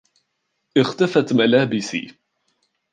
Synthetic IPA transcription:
ʔɪxt̪afat̪malaːbɪsḭː

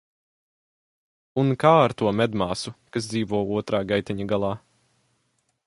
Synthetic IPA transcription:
unkaːaɾt̪uɔmɛd̪maːsukasd̪ziːvuɔuɔt̪ɾaːɡajt̪iɲaɡalˠɑː

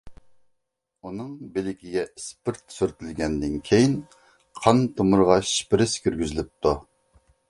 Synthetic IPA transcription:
unɨŋbɪlɪkʲiɡʲɛispɪɾt̪̚syɾt̪ʰɪlɡʲɛnd̪ɪnkʲʰejin | qʰɑnt̪ʰomʊɾʁɑʃi̥pɾɪskʲʰyɾɡʲyzɪlɪp̚t̪ʰu

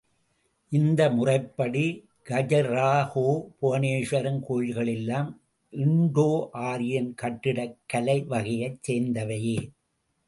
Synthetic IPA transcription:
ʔɪnd̪ɐmʊrɐɪpːɐɽi | ɡ̥ɐd͡ʒɐɾaːhoːpʊɐneːʂɐɾɐnkoːɻɣɐɭɛlːaːm | ʔɪɳɖoːʔaːɾɪjɐnkɐʈːɪɽɐkːɐlɐɪʋɐɣɐjɐt͡ʃseːnd̪ɐʋɐjeː

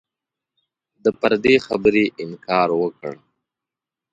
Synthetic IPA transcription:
d̪əpəɾd̪exabəɾeʔɪmkɑːɾwəkə̰ɽ

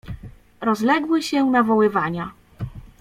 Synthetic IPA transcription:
ɾɔzlɛɡwɘɕɛnavɔwɘvaɲa

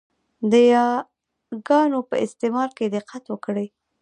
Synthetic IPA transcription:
d̪əjɑ | ɡɑnopə̰ʔɪst̪emɑɾked̪ɪqːat̪wəkɽəj

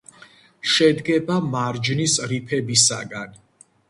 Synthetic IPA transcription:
ʃɛd̪ɡɛbamaɾd͡ʒnisɾipʰɛbisa̰ɡan

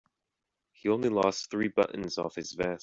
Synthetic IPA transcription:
hiõʊ̃nlilɔˑsθɹiːbʌ̰ʔn̩zɔ̰fhɪzvɛs

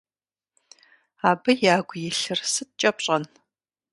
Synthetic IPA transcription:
aːbɐjaːɡʷjɪɬɨrsɨt̚t͡ʃʼɐpɕʼɐn

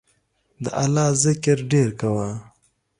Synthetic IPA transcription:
d̪ə̰ʔalɑːzɪkɪɾɖeɾkawa

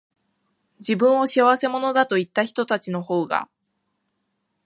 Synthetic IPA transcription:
d͡ʑibɯ̟̃ɰ̃o̞ɕiaβ̞ase̞mo̞no̞d̪at̪o̞it̪ːaçi̥t̪o̞t̪at͡ɕino̞ho̞ːɡa̰

